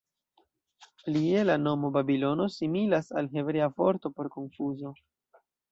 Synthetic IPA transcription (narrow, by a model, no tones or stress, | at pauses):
plie̞lano̞mo̞babilo̞no̞similasalɦe̞bɾeavo̞ɾto̞po̞ɾko̞nfuzo̞